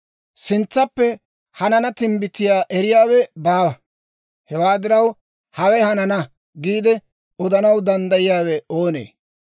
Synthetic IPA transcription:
sɪnt͡sːɐpːɛ | hɐnɐnɐt̪ɪmbɪt̪ːɪjaːʔɛɾɪjaːwɛbaː | hɛwaːd̪ɪɾɐw | hɐwɛhɐnɐnɐ | ɡiːd̪ɛ | ɔd̪ɐnɐwd̪ɐnd̪ɐjɪjaːwɛo̞ːnḛː

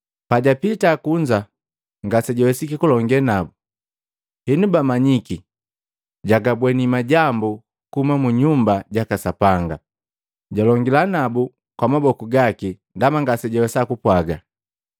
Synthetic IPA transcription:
paɟapitakuɲd͡ʒa | ŋɡasɛɟɔwɛsikikulɔŋɡɛnabu | hinubamaɲiki | ɟaɡabwɛnimaɟambu | kumamuɲumbaɟakasapaŋɡa | ɟɔlɔŋɡilanabu | kwamabɔkuɡaki | ndamaŋɡasɛɟɔwɛsakupwaɡa

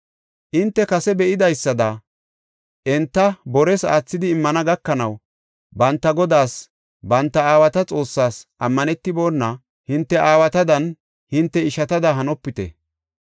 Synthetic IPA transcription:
ʔɪnt̪ːɛkɐsɛbɛʔɪd̪ɐjsːɐd̪ɐ | ʔɛnt̪ːɐbɔɾɛsaːt͡sːɪd̪ɪːmːɐnɐɡɐkːɐnɐw | bɐnt̪ːɐɡɔd̪aːs | bɐnt̪ːɐaːwɐt̪ɐt͡sʼo̞ːsːaːsʔɐmːɐnɛt̪ːɪbo̞ːnːɐ | hɪnt̪ːɛʔaːwɐt̪ɐd̪ɐn | hɪnt̪ːɛɪʃɐt̪ɐd̪ɐɦɐnɔpːɪt̪ɛ̰

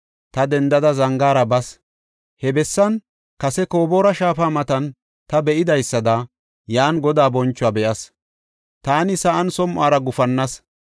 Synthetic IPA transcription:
t̪ɐd̪ɛnd̪ɐd̪ɐzɐŋɡaːɾɐbɐs | hɛbɛsːɐn | kɐsɛko̞ːbo̞ːɾɐʃaːfaːmɐt̪ɐn | t̪ɐbɛʔɪd̪ɐjsːɐd̪a | jaːnɡɔd̪aːbɔnt͡ʃːʊaːbɛʔɐs | t̪aːnɪsɐʔɐnsɔmʔaːɾɐɡʊfɐnːɐs

